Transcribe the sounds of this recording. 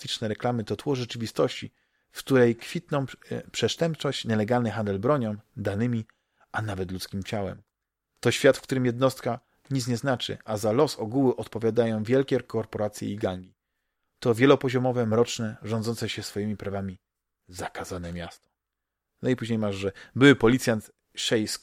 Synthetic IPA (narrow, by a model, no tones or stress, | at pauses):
it͡ʂnɛɾɛklamɘt̪ɔt̪wɔʐɛt͡ʂɘvʲist̪ɔɕt͡ɕḭ | fkt̪uɾɛjkfʲit̪nɔ̃w̃pʂɛʂt̪ɛmpt͡ʂɔɕt͡ɕɲɛlɛɡalnɘxand̪ɛlbɾɔɲɔ̃w̃d̪anɘmʲi | anavɛt̪lut̪skʲimt͡ɕawɛ̰m | t̪ɔɕfʲjat̪fkt̪uɾɘmjɛd̪nɔst̪ka | ɲit̪ɲɛznat͡ʂɘ̰ʔazalɔsɔɡuwɘʔɔt̪pɔvʲjad̪ajɔ̃w̃vʲjɛlkʲɛkɔɾpɔɾat̪sʲjɛ̰iɡaŋɡʲi | t̪ɔvʲjɛlɔpɔʑɔmɔvɛmɾɔt͡ʂnɛʐɔnd̪zɔntsɛɕɛsfɔjimʲipɾavamʲi | zakazanɛmʲast̪ɔ̥ | nɔipuʑɲejmaʐʐɛbɘwɘpɔlʲit̪sʲjant̪ | ʂɛjskʲ